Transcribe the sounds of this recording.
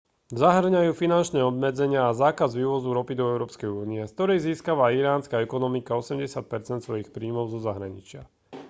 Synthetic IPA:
zaɦr̩ɲajuːfinant͡ʃnɛːɔbmɛd͡zɛɲɪaːzaːkazʋiːʋɔzuɾɔpid̪ɔɛʊɾɔːpskɛjuːniɛskt̪ɔɾɛjziːskaʋaiɾaːnskaɛkɔnɔmikaɔsɛmɟɛsɪat̪̚pɛɾt͡sɛnt̪sʋɔjixpɾiːmɔʊzɔzaɦɾaɲḭt͡ʃɪa

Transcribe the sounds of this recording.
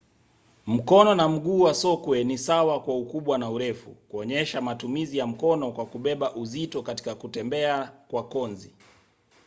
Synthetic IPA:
m̩kɔnɔnam̩ɠuːwasɔkwɛnisawakwaukuɓwanauɾɛfṵkuɔɲɛʃamatumizijam̩kɔnɔkwakuɓɛɓaʔuzitɔkati̥kakutɛmbɛakwakɔnzi

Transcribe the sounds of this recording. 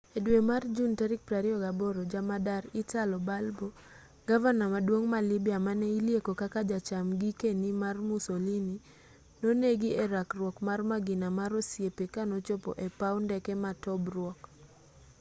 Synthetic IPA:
edwemard͡ʒuntɛɾɪk̚pɾaɾiɔɡaboɾod͡ʒamadaɾɪtalɔbalbo | ɡavanamadwoŋmalibiamanɛiljekokakad͡ʒat͡ʃamɡikenimarmusolini | noneɡieɾakrwɔkmarmaɡɪnamaɾosjepekanot͡ʃopɔ̰ʔepawndɛkɛmatɔbrwɔk

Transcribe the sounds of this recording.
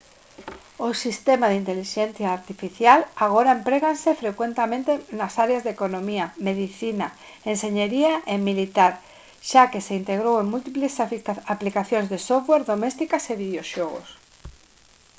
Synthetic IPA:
osist̪emaðint̪eliʃẽn̟θjaːɾt̪ifiθjalaɣ̞oɾaempɾeɣansefɾekwent̪emẽnt̪enasaɾeazðekonõmiameðiθina | enseɲeɾiaʔemilit̪aɾ | ʃakeseint̪eɣɾoweŋmult̪iplesaplikaθjõnzðesofweɾðomɛst̪ikaseβiðjoʃɔɣo̰s

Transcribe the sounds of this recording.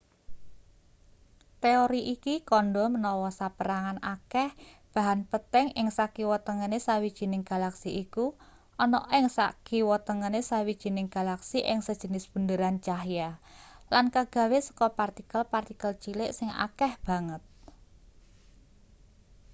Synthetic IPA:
t̪eoɾiʔikikɔnɖɔmənɔwɔsapəɾaŋanakɛh | b̥a̤ɦanpət̪ɛŋɪŋsakiwɔt̪əŋənesawid̥ʒ̥i̤nɪŋɡ̥a̤laksiʔiku | ɔnɔ̰ʔɪŋsa̰kiwɔt̪əŋənesawid̥ʒ̥i̤nɪŋɡ̥a̤laksiʔɪŋsəd̥ʒ̥ə̤nɪsb̥ṳnd̪əɾant͡ʃahjalankaɡ̥ä̤wesə̥kɔpart̪ikəlpart̪ikəlt͡ʃilɪʔsɪŋa̰kɛhb̥a̤ŋət̪̚

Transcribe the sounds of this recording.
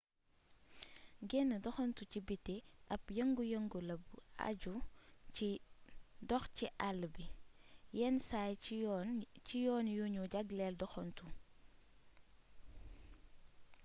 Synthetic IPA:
ɡɛnːədɔxɔntucibitːeʔɐpjəŋɡujəŋɡulɐbua̰ɟui | dɔxciʔalbijɛnsaj | cijɔːnjuɲuɟaɡlɛldɔxɔntu

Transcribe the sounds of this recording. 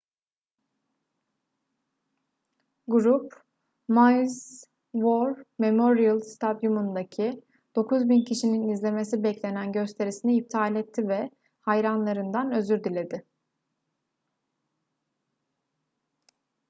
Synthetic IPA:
ɡuɾup | majz | voɾme̞moɾijalˠst̪ʰad̪jumund̪acʰi | d̪̥o̞kʰuzbincʰiʃininizlʲe̞me̞s̬ibɛclʲe̞nænɟø̞st̪ʰe̞ɾisiniip̚t̪ʰaːlʲɛt̪ʰːivɛ | hajɾanlˠaɾɯnd̪anø̞zyɾd̪ilʲe̞d̪ɪ

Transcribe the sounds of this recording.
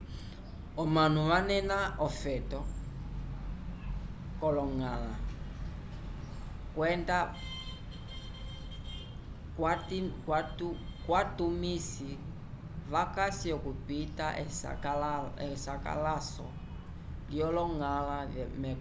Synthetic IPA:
ɔmanuβanɛnaɔfɛtɔ | kɔlɔŋala | kwɛnda | katikwatukwatumisi | βakasiɔkupitaʔɛsa̰alɛsaka̰lasɔ̰ | liɔlɔŋalaðɛmɛ

